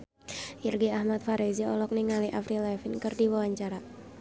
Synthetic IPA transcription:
ʔirɡiahmat̪̚faɾɛziɔlɔk̚niŋaliʔafɾilɛfinkɨrdiwawaɲt͡ʃaɾa

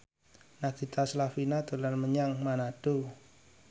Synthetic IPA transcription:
nad̪̥i̤t̪aslafinat̪ulanməɲaŋmanaɖ̥o

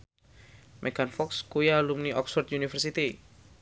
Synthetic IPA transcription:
mʔɛɡanfɔkskujalumniʔɔksfɔrt̪̚unifərsit̪i

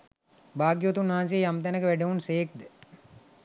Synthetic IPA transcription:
baːɡjoːt̪unːaɦans̬ijejamt̪ænəkəʋæɖeunseːk̚d̪ə

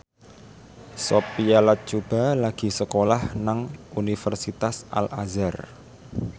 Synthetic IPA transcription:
sopialat̪̚t͡ʃub̥a̤laɡ̥i̤səkolahnaŋunifərsit̪asʔa̰lʔazar

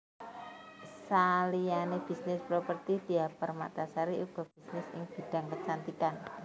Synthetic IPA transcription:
salianeb̥i̤snɪspɾopərt̪id̥iapərma̰t̪asaɾiʔub̥a̤b̥i̤snɪsɪ̰ŋb̥i̤ɖ̥a̤ŋkət͡ʃant̪ikan

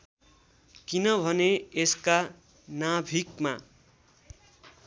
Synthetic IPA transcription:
kinʌbʱʌneeska | nabʱikma̰

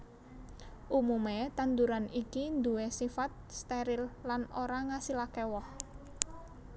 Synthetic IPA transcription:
ʔumumet̪and̪uɾanikind̪uwesifat̪̚st̪eɾɪlːanoɾaŋasilakɛwɔh

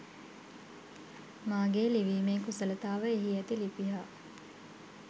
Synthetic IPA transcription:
maːɡeːliʋiːmeːkusələt̪aːʋəeɦiɛt̪ilipiɦaː

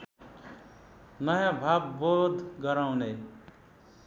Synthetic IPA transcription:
nʌjãbʱabːod̪ʱɡʌɾaw̃ne

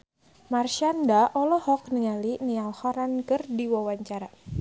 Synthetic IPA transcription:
marʃandaʔɔlɔhɔk̚nəŋalinialhɔɾankɨrdiwawaɲt͡ʃaɾa

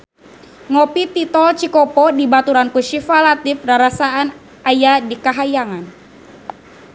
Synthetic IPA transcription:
ŋɔpit̪it̪ɔlt͡ʃikɔpɔdibat̪uɾankuʃifalat̪ifraɾasaan | ʔajadikaɦajaŋan

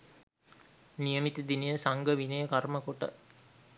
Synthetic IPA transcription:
nijəmit̪id̪inəjəsaŋɡəʋinəjəkaɾməkoʈə̰

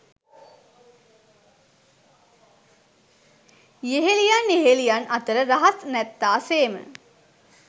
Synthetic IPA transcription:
jeɦelijanjeɦelijanɐt̪əɾəɾaɦasnɛt̪ːaːseːmə̰

